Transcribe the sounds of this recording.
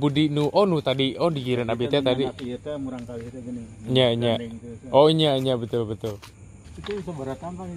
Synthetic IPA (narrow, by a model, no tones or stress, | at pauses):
budinuʔɔnut̪adiɔdiɡiɾənabet̪ɛt̪adi | iɲaʔiɲaʔʔɔiɲaiɲabət̪ʊlbət̪ʊl